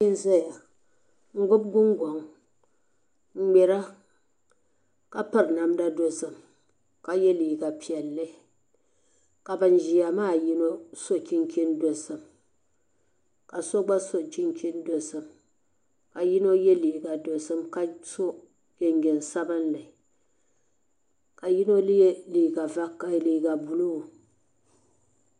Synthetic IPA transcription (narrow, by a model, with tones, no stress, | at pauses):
i˦n˦za˦ja˨ | ŋ̩˦ɡo˦b̚ɡu˦ŋ˦ɡʷɔ˨ŋ˦ | ɡ͡be˨ɾa˦ | ka˦pa˦ɾna˨mda˦do˨sɨ˨m | ka˦je˦li˨ka˨pʰja˨lːe˦ | ka˨ba˨n̩˨d͡ʒi˨a˨maː˦˨ji˦no˦so˦kʲi˦ŋ˦kʰʲi˦n˦do˨sɨ˨m | ka˨so˦ɡ͡ba˦so˦t͡ʃi˦ŋkʲi˦ndo˨sɨ˨m | ka˨ji˦no˦jɛ˦liː˨ɡa˨do˨sɨ˦mka˦so˦ | ke˨ŋɡe˨n˨sa˦bɨ˦nːɨ˨ | ka˨ji˦no˦lɨ˦je˦liː˨ɡa˨va˦kːa˨liː˨ɡa˨bu˨lo˦˨